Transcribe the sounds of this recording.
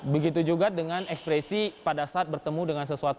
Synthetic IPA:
bəɡit̪ud͡ʒuɡadəŋanɛkspɾɛsipadasaːt̪̚bərt̪əmudəŋansəsuat̪

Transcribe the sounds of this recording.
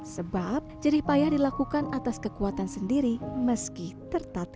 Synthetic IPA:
səbap̚d͡ʒəɾihpajadilakukanʔat̪askəkuat̪ansəndiɾiməskiht̪ərt̪at̪

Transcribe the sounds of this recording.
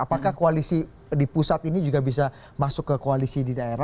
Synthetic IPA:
apakahkoalisi | dipusat̪inid͡ʒuɡabis̬a | masʊkːəkoalisididaeɾa

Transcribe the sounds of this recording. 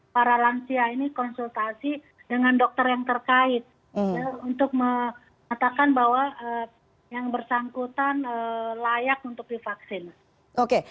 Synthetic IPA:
paɾalansiainikɔnsult̪asi | dəŋandɔk̚t̪ərjaŋt̪ərkaɪt̪̩̚ | jaunt̪ʊk̚mə | ŋat̪akanbahwaʔə | jaŋbərsaŋkut̪anəlajak̚unt̪ʊk̚difaksɪn | oke

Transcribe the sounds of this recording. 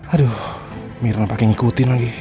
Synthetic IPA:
adu | miɾnapakɪŋikut̪inaŋɡi

